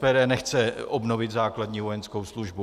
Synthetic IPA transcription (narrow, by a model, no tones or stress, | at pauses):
pɛːdɛːnɛxt͡sɛʔobno̞vɪt̪zaːkladɲiːvojɛnsko̞wsluʒbu